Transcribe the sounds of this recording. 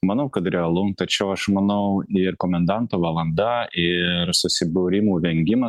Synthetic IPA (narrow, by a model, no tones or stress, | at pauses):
mɐnɐʊkɐt̪ɾʲɛɐlˠʊŋt̪ɐt͡ʃʲɛʊɐʃmɐnɐʊɪɾkoːmʲɛnd̪ɐnt̪oːʋɐlˠɐnd̪ɐɪɾsʊsʲɪbʊɾʲɪmuːʋʲɛŋʲɡʲɪmɐ